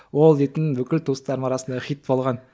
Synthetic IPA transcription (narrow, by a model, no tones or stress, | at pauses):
wolˠd̪et̪ɪnbɵkʲɪlt̪ʰust̪ɑɾmɑɾɑsənd̪ɑχʲit̪ːpɑlˠʁɑn